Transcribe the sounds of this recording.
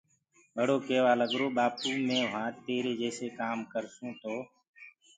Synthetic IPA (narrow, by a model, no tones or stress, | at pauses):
ɓəɽoːkeːʋaːləɠɾoːɓaːpũːmẽːʋãːt̪eːɾeːd͡ʒeːseːkaːmkəɾsũːt̪oː